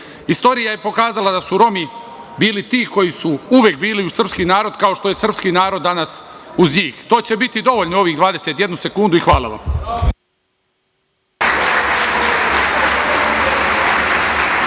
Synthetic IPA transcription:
ist̪o̞ːɾijajepo̞kaːzalad̪asuɾo̞mi | biːlit̪iːko̞jisuuʋjek̚biːliusr̩pskinaːɾo̞d̪kao̞ʃt̪o̞je̞sr̩pskinaːɾo̞d̪ːanasuzɲiːxt̪o̞ːt͡ɕe̞bit̪id̪o̞ʋoʎnoo̞ʋiɣd̪ʋaːd̪e̞set̪je̞d̪nuse̞kund̪uixʋaːlˠa̰ʋa̰m

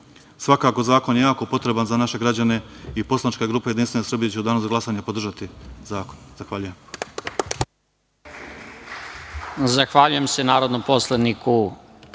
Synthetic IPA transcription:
sʋakaːko̞zaːko̞njejaːko̞po̞t̪ɾe̞banzanaʃe̞ɡɾad͡ʑane̞ipo̞slˠanit͡ʃkaɡɾuːpaje̞d̪inst̪ʋe̞nesɾr̩bijet͡ɕeud̪aːnuzaɡlasaɲepod̪r̩ʒat̪izaːkonzaxʋaːʎuje̞m | zaxʋaʎuje̞msenaːɾod̪nompo̞slˠed̪nikʰu

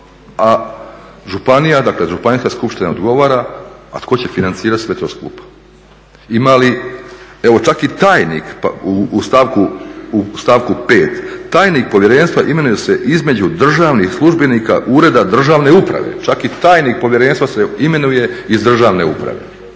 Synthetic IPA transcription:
a | ʒupanijad̪akleʒupaniskaskupʃt̪inaod̪ɡo̞ʋaːɾaa̰t̪kʰo̞t͡ɕe̞finant̪siːɾat̪sʋe̞t̪o̞ːskṵːpḁ | imali | e̞ʋo̞t͡ʃakit̪aːjnḭkpa̰uust̪aːʋkuust̪aːʋkupeːt̪ːaːjnik̚po̞ʋje̞ɾe̞nʲst̪ʋaʔime̞nuje̞se̞ʔizme̞d͡ʑud̪r̩ʒaːʋnixslˠuʒbenika̰ʔuːɾe̞d̪ad̪r̩ʒaːʋne̞upɾa̰ʋḛt͡ʃakit̪aːjniːk̚po̞ʋje̞ɾe̞ːnʲst̪ʋaseime̞nuje̞izd̪r̩ʒaːʋne̞upɾa̰ʋe̞̰

